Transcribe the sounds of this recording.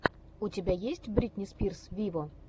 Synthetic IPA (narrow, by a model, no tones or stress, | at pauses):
utʲebʲæjesʲtʲbɾʲit̪ʲnʲɪspʲirsvʲivo